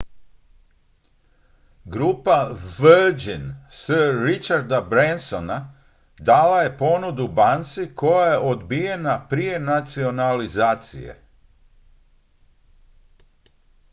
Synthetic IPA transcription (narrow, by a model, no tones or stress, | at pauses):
ɡɾuːpaʋəd͡ʒinsəːit͡ʃaɾd̪abɾensona | d̪aːlaje̞po̞nud̪ubant̪sikʰo̞jaje̞ʔo̞d̪bije̞napɾije̞nat̪sio̞nalizaːt̪sḭje̞̰